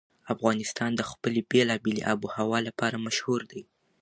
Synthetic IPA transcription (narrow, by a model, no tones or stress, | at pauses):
afɣɑnɪst̪ɑnd̪əxpəlebelɑbeleʔabuhawɑlapɑɾamaʃhuɾd̪aj